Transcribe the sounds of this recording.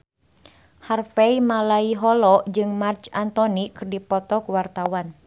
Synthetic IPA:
harfɛimalaiɦɔlɔd͡ʒɨŋmart͡ʃant̪ɔnikɨrdipɔt̪ɔkuwart̪awan

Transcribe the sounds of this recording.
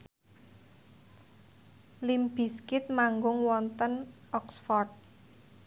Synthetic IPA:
limb̥i̤skɪt̪̚maŋɡʊŋwɔnt̪ənʔɔksfɔrt̪̚

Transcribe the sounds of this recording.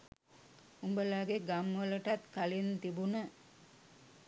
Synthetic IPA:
umbəlaːɡeɡamʋələʈat̪kalint̪ibunə

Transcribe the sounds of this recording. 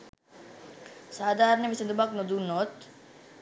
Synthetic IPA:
saːd̪aːɾnemised̪ubak̚nod̪unot̪

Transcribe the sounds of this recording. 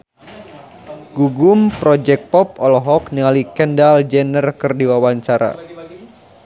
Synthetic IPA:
ɡuɡumpɾɔd͡ʒɛk̚pɔp̚ɔlɔɦɔk̚niŋalikɛndald͡ʒɛnərkərdiwawaɲt͡ʃaɾa̰

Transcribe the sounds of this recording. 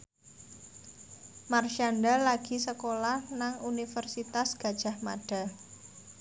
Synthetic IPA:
marʃandalaɡ̥i̤səkolahnaŋunifərsit̪asɡ̥a̤d̥ʒ̥a̤hma̰ɖ̥a̤

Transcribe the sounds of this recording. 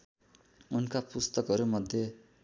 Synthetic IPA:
unkapust̪ʌkɦʌɾumʌd̪ʱje

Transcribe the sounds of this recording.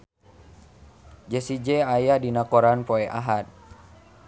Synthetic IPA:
d͡ʒɛsid͡ʒɛajadinakoɾanpoɛʔaɦat̪̚

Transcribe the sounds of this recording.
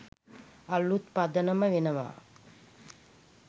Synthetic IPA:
alːut̪pad̪ənəməʋenəʋa̰ː

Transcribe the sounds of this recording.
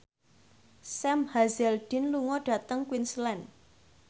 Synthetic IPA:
sɛmhazɛlɖ̥i̤nluŋɔɖ̥ä̤t̪əŋkwinslɛn

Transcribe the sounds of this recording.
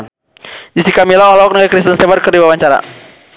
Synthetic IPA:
d͡ʒisikamilɔɔlɔɔk̚nəɡakɾis̬t̪ənst̪ɛvarkərdiwawaɲt͡ʃaɾa̰

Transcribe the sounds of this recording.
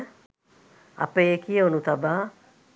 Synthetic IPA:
a̰pejekiəonut̪abaː

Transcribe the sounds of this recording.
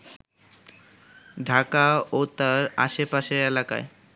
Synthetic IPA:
ɖʱakaot̪aɾa̰ʃepaʃeɾelaka̰e

